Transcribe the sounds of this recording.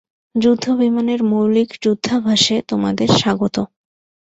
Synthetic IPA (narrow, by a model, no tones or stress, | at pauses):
d͡ʑud̪ʱːobimaneɾmowlikd͡ʑud̪ʱːabʱaʃet̪oma̰d̪eɾʃaɡot̪o